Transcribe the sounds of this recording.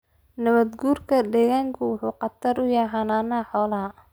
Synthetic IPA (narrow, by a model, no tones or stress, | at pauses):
nɐβɐd̪ɡuːrkʰɐd̪ɛːɣaːŋkʰʊwʊħuːqɑt̪ʰɐɾʊjaɦaːnaːnaːħɔːlɐɦɐ